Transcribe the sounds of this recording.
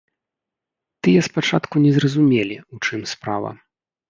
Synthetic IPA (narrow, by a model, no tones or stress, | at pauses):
t̪ɨjɐspat͡ʂat̪kunʲɛzrɐzumʲelʲiut͡ʂɨmspɾa̰vɐ̰